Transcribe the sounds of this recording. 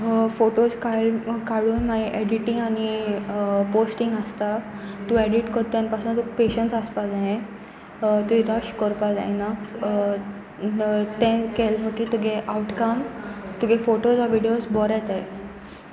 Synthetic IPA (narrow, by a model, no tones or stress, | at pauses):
foʈoskaɭkaɭuːnmaiʔeɽiʈĩŋɡañi | posʈĩŋɡəst̪a | t̪ũeɽiʈkəɾt̪ãnpasunt̪upeɕəɳsaspad͡zaɦẽ | t̪uid̪aɕkɔɾpad͡za̰na | t̪ɛ̃kelm̤əʈit̪uɡʱeʔauʈkamt̪uɡʱɛfoʈosaʋiɽijosbɔɾat̪ae